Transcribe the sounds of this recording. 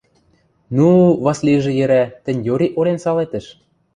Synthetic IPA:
nuβɑslʲiʒĕjɘ̆ɾæt̪ɘ̆nʲjoɾʲiʔoɾensɑlet̪ə̆ʃ

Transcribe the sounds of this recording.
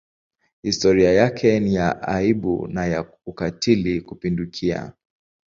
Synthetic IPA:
histɔɾiajakʰɛnijaʔaiɓṵnaja | ukatʰilikupindukʰia̰

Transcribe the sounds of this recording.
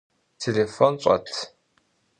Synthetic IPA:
tʰelefɔnɕʷʼɐ̰tʰ

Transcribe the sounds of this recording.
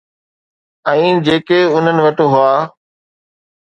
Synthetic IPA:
ɛ̃ːd͡ʑeːkeʊn̤ənɪ̆ʋɐʈoɦʊaː

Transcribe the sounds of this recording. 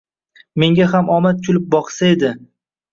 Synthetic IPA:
me̞ŋɡʲaɦamɒmat̪̚kʰʲʊlɪp̚bɒqsae̞d̪ɪ

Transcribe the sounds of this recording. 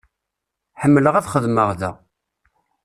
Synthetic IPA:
ħəmːələʁæθχəðməʁðæ̰

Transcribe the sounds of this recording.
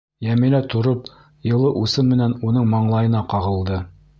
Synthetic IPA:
jæmilæt̪ʰŏɾop | jɤ̆lˠɤʔusɤmmɘ̆nænunɤɴmɑɴlˠɑjɤ̆nɑqɑʁɤ̆lˠd̪ɤ

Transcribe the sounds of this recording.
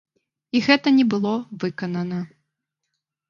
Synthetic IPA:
iɣɛt̪ɐnʲɛbɨlˠɔvɨkɐnɐnɐ

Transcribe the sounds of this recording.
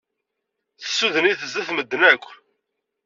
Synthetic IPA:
θə̥sːuðəniθəzæθməd̪ːənækʷː

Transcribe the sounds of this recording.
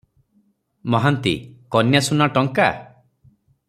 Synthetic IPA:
mɔɦant̪ḭkɔnjasunaʈɔŋka

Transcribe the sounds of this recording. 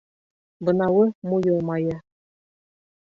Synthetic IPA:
bɤ̆nɑwɤmujɤ̆lˠmɑjɤ

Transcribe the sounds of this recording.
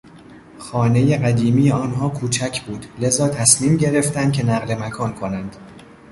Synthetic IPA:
xɒːne̞jeɢæd̪iːmiːjeɒːnɦɒːkʰuːt͡ʃʰæcʰb̥uːd̪̥le̞zɒːt̪ʰæsmiːmɟe̞ɾe̞ft̪ænd̪kcʰenæɣle̞mækʰɒːnkʰo̞nænd̪̥

